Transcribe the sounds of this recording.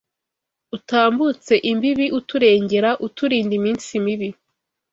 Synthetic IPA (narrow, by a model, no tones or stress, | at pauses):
utaːmbut͡se̞ʔimbiβiʔutuɾe̞ːɲɟe̞ɾaʔutuɾiːndimiːnsimiβi